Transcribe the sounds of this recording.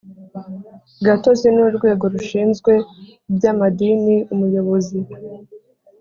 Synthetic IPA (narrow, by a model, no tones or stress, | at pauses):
ɡato̞zinuɾɡwe̞ːɡo̞ɾuʃiːnzɡwe̞ | bjaːmadiniumujo̞βo̞zi